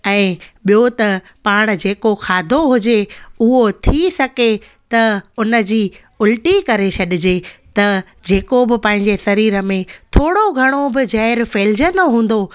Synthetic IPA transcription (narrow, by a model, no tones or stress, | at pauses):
ɛ̃ːɓijot̪ɐ | paːɽ̃̆d͡ʑeːkoxʰaːd̪ʱoɦʊd͡ʑeʊɦot̪ʰisɐɡe | t̪ɐʊnə̆d͡ʑiː | ʊlʈikɐɾet͡ɕʰɐɗɪd͡ʑet̪ɐ | d͡ʑeːkobɪpɛ̃ːɦɪ̃ɲd͡ʑesɐɾiːɾəmẽt̪ʰoːɽoɡʱɐɽ̃obɪd͡ʑɛːɪɾfeːld͡ʑə̃nd̪oɦũːn̆d̪o